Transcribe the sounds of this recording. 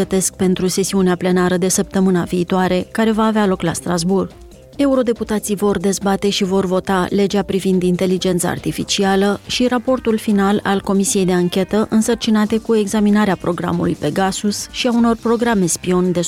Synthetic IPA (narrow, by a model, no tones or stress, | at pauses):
ət̪e̞sk̚pe̞nt̪ɾuse̞siuneaple̞naɾəd̪e̞səp̚t̪əmɨnaviːt̪oaɾe̞kaɾe̞vaːvealo̞klast̪ɾazburɡ | e̞uɾo̞d̪e̞put̪at̪sijvo̞rd̪e̞zbat̪e̞ʃivo̞rvo̞t̪ale̞d͡ʒeapɾivind̪int̪e̞lid͡ʒe̞nt̪sa̰a̰rt̪ifit͡ʃialəʃiɾapo̞rt̪ulfinala̰lko̞misije̞jd̪e̞aŋkʲe̞t̪əʔɨnsərt͡ʃinat̪e̞kue̞ɡzaminaɾeapɾo̞ɡɾa̰mṵlṵjpe̞ɡasusʃiauno̞rpɾo̞ɡɾame̞spio̞nd̪e̞